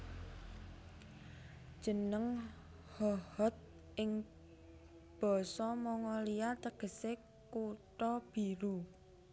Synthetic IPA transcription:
d̥ʒ̥ə̤nəŋ | hɔhɔt̪̚ | ʔɪŋ | b̥ɔ̤sɔmɔŋɔliat̪əɡ̥ə̤se | kuʈɔb̥i̤ɾu

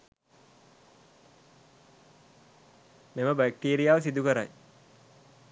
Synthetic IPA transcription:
meməbæk̚ʈiːɾijaːʋəs̬id̪ukəɾa̰j

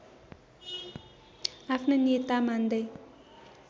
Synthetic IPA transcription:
apʰnanet̪amand̪ʌj

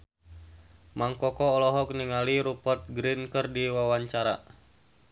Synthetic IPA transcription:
maŋkɔkɔːlɔɦɔk̚niŋaliɾupɔt̪̚ɡɾinkərdiwawaɲt͡ʃaɾa̰

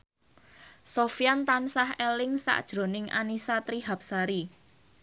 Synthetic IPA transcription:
sofijant̪ansahɛlɪŋsa̰ʔd̥ʒ̥ɾo̤nɪŋa̰nisat̪ɾiɦap̚saɾi

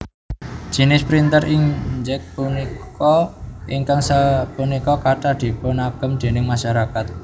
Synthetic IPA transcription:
ʒ̥i̤nɪspɾint̪əɾiŋd͡ʒɛk̚punikɔiŋkaŋsapunikɔkaʈaɖ̪̥i̤pɔnaɡ̥ə̤md̪̥e̤nɪŋmaʃaɾakat̪̚

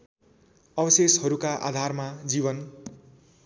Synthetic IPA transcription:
ʌbʌseshʌɾukaʔa̰d̪ʱarmad͡zibʌn

